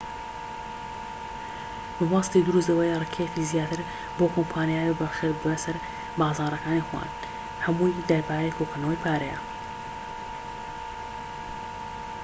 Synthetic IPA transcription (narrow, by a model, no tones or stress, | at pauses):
bɨbɑːst̪id̪ʊɾus̬t̪ɐwejrɨkʰejkiːzjaːt̪ɨɾ | boːkʰompʰaːnijaːwebɐʃeɾbɐsɐɾ | baːzaːɾɐkaːnixwa̰ːn | hɐmujd̪ɐɾbaːjekʰoːkɐnɐwɐjpʰaːɾɐjɐ̰